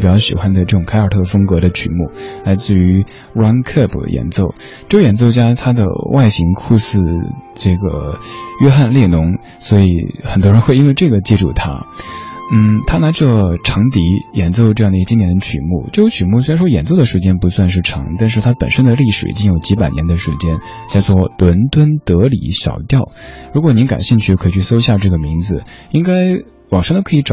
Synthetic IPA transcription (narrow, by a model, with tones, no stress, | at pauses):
pi˨˩t͡ɕjɑ˥˩ʊɕḭ˨˩xwa˥nd̪ə˨ʈ͡ʂɤ˥˩ʈ͡ʂʊ˨˩ŋkʰa˥ə˞˨˩t̪ʰɤ˥˩fɤ˥ŋkɤ˧˥d̪ə˧t͡ɕʰy̰˨˩mu˥˩la˧˥ɪt͡sɹ̩˥˩y˧˥ | ɻwa˥nkʰə˥˩pʰjʔɛ̰˧˥nt͡so˥˩ʊ | ʈ͡ʂɤ˥˩ɡə˧˩jɛ˨˩nt͡so˥˩ʊt͡ɕja˥t̪ʰa˥d̪ə̰˨wʔa˥˩ɪɕi˧˥ŋkʰu˥˧sɹ̩˥˧ʈ͡ʂɤ˥˩ɡə̰˩ɥɛ˥xa˥˧nljɛ˥˩nʊ˧˥ŋ | swɔ˧˥i˨˩˦xə˨˩nt̪wɔ˥ɻə˧˥nxwe˥˧ɪi˥we˥˧ɪʈ͡ʂɤ˥˩ɡə˩t͡ɕi˥˧ʈ͡ʂṵ˥˩t̪ʰa̰˥ | n̩˥˩t̪ʰa˥na˧˥ʈ͡ʂɤ˥˩ʈ͡ʂʰɤ˧˥ŋt̪i˧˥jɛ˨˩nt͡so˥˧ʊʈ͡ʂɤ˥˧jɑ˥˩ŋd̪t͡ɕi˥nt̪jɛ˧˥nd̪ə˧t͡ɕʰy̰˨˩mṵ˥˩ʈ͡ʂɤ˥˩jo˧˥ʊt͡ɕʰy˨˩mu˥˩swe˥ɻn˩ʂwɔ˥jɛ˨˩nt͡so˥˩ʊd̪ə˩ʂɻ̩˥˩t͡ɕjɛ˥npu˧˥swa˥˧nʂɻ̩˥˩ʈ͡ʂʰɤ̰˧˥ŋt̪a˥˧nʂ̬ɻ̩˥˩t̪ʰa˥pə˨˩nʂə˥nd̪ə˨li˥˩ʂɻ̩˨˩ḭ˨˩t͡ɕi˥ŋjo˨˩ʊt͡ɕi˧˥pa˨˩ɪnjɛ˧˥nd̪ə˧ʂɻ̩˧˥˩t͡ɕjɛ˥n | t͡ɕa˥˧ɪt͡swɔ˥˩lwə˧˥nt̪wə˥nt̪ɤ˧˥lḭ˨˩˦ɕjɑ̰˨˩ʊt̪jɑ˥˩ʊɻu˧˥kwɔ˨˩ni˧˥nka̰˨˩nɕi˥˧ŋt͡ɕʰy˥˩˧kʰi˨˩t͡ɕʰy˥˩so˥ʊɕja˥˧ʈ͡ʂɤ˥˩ɡə˩mi˧˥ŋd͡zɹ̩˧i˥ŋka˥ɪ | wɑ˨˩ŋʂŋd̪o˥kʰɤ˧˥˧ʈ͡ʂɑ˨